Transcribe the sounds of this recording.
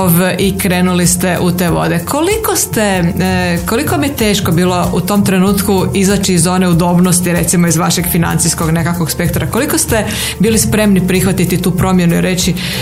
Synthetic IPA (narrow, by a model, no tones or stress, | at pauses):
ʋikɾe̞ːnulist̪e̞ʔut̪e̞ːʋo̞̰d̪e̞kʰo̞likost̪e | kolikomijet̪e̞ːʃko̞biːlˠo̞ut̪o̞mt̪ɾe̞nuːt̪kuizat͡ɕiːzo̞neud̪o̞bnost̪iɾe̞t̪simoizʋaʃeɡfina̰nt̪sisko̞ɡne̞kakʋoɡspe̞kt̪oɾako̞likost̪e | biːlispɾe̞mnipɾixʋat̪it̪it̪uːpɾo̞mje̞nuḭɾe̞t͡ɕi